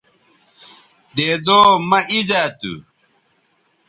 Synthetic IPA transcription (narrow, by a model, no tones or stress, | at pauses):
deːd̪oːmɐʔizaːt̪ṵ